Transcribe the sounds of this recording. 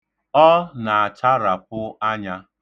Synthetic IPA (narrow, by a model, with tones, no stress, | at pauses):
ɔ˦na˨a˨t͡ʃa˦ɾa˨pʊ˦a˦ɲa˦